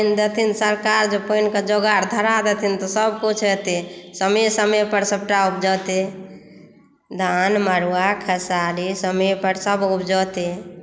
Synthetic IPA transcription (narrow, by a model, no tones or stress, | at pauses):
nd̪et̪ʰinsəɾkaɾd͡ʒopənked͡ʒoɡaɾd̪ʱəɾad̪et̪ʰint̪ɔsəbkut͡ʃʰɦet̪esəmesəmepəɾsəb̚ʈaup̚d͡ʒɔt̪e | d̪ʱanməɾuakʰəsalisəmepəɾsəbupd͡ʒɔt̪e